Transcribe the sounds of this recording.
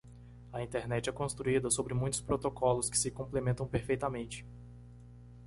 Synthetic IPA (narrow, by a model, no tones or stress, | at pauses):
ɐĩt̪eɾnɛt͡ʃɪɛkõst̪ɾuid̪ɐsobɾɪmũj̃t̪ʊ̥spɾot̪okɔlʊskɪ̥sɪkõmplemẽnt̪ɐ̃w̃peɾfejt̪ɐmẽnt͡ʃɪ̥